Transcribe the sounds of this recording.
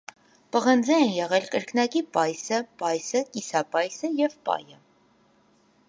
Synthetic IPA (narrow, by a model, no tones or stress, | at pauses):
pəʁənd͡zɛɛnjɛʁɛlkəɾkʰnɑkipɑjsəpɑjsəkisɑpɑjsəjɛvpɑ̰jə